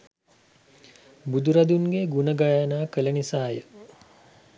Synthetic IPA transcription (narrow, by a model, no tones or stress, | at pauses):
bud̪uɾad̪uŋɡeɡunəɡajanaːkələnisaːjə